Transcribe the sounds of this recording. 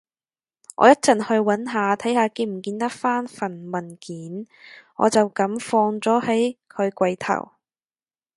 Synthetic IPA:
ʔɔ̰ː˨˧jɐ˥t̚t͡sɐ˨nhɵ˧ɥwɐ˨˥nɦaː˨˧t̪ʰɐ˨˥jhaː˨˧kiː˧˩m̩˨˩kiː˧nt̪ɐ˥k̚faː˥nfɐ˨˩nmɐ˨˩nkiː˨˥n | ʔɔ̰ː˨˧t͡sɐ˨wkɐ˨˥mfɔː˧ŋt͡sɔː˨˥hɐ˨˥jkʰɵ˨˧ɥkʷɐ˧jt̪ʰɐ̰˨˩w

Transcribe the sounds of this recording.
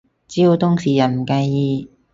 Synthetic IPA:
t͡si˥wt̪ʊ˥ŋsiː˨˩jɐ˨˩nm̩˨˩kɐ˧jjiː˧

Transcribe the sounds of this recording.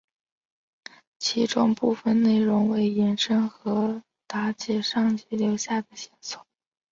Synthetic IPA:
t͡ɕʰi˧˥ʈ͡ʂʊ˥ŋpu˥˩fə˨˩nne˥˩ɪɻʊ˧˥ŋwe˧˥ɪjɛ˧˥nʂə˥nxɤ˧˥ | t̪a˧˥t͡ɕɛ˥ʂɑ˥˧ŋt͡ɕi˧˥ljo˧˥ʊɕja˥˩d̪ə˩ɕɛ˧˥nsʊ˥˩˦

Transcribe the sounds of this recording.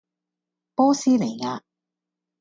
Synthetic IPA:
pɔː˥siː˥ne˨˩jŋaː˧

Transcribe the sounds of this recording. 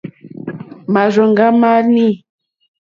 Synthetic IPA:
ma˨zɔ˨ŋɡa˦ma˦ni˦˨

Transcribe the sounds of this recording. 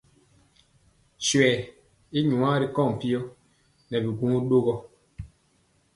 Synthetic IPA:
swɛː˨ | i˦ɲu˨ã˦ɾi˦kɔ˦˨ŋ˨pi˦ɔ˦ | nɛ˨bi˨ɡu˦ŋu˦ɗo˦ɣɔ˦

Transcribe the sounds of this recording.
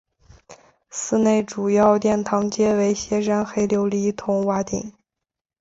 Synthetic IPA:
sɹ̩˥˧ne˥˩ɪʈ͡ʂu˨˩jɑ˥˧ʊt̪jɛ˥˩nt̪ʰɑ˧˥ŋt͡ɕjɛ˥we˧˥ɪɕjɛ˧˥ʂa˥nxe˥ɪljo˧˥ʊli˧˥t̪ʰʊ˧˥ŋwa˧˥t̪ḭ˨˩˦ŋ

